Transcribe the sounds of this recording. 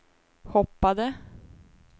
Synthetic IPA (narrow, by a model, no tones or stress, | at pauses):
hɔpːad̪ə